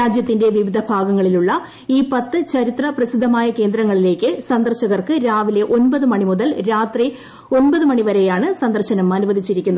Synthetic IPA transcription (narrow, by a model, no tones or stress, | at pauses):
aːd͡ʑjɐt̪ːinde̞ʋiʋid̪ʱɐbʱaːɡɐŋːɐɭiluɭːɐ | iːpɐt̪ːɨt͡ɕɐɾit̪rɐprɐsid̪ʱɐmaːjɐke̞ːnd̪ɾɐŋːɐɭile̞ːkːɨsɐnd̪ɐrɕɐɣɐrkɨɾaːʋile̞ʔo̞nbɐðɨmɐɳimuðɐlɾaːt̪ri | o̞nbɐðɨmɐɳiʋɐɾe̞jaːɳɨsɐnd̪ɐrɕɐnɐmɐnuʋɐd̪ʱit͡ɕːiɾikʲːunːɐ